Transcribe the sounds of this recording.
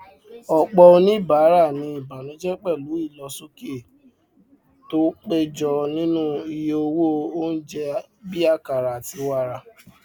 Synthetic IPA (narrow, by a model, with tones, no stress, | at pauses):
ɔ˨k͡pɔ˧o˧nĩ˦i˦˨ba˨˦ɾa˦˨nĩ˧˦i˦˨ba˨nũ˨˦d͡ʒɛ˦k͡pɛ˦˨lu˨˦i˦˨lɔ˧su˦ki˦e˦˨ | to˦k͡pe˦d͡ʒɔ˧nĩ˦nũ˦i˧je˧o˧wo˦˧o˦n̩˦d͡ʒɛ˧ | bi˦a˦ka˨ɾa˨ti˨˧wa˦ɾa˧